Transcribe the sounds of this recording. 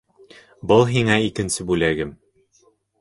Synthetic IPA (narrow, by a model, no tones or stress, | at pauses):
bɤlˠɦiŋæikɘ̆nsɘbʉlæɡɘm